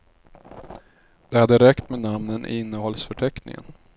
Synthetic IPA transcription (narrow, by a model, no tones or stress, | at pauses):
d̪̥ɛad̪əɾɛkt̪menamnənʔɪnːəhɔlsfœʈʰɛknɪ̰ŋə̰n